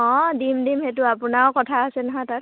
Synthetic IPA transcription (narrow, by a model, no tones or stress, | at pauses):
ɔ̃dimdimhetʊapʊnawkɔtʰaːsɛnaɦãtat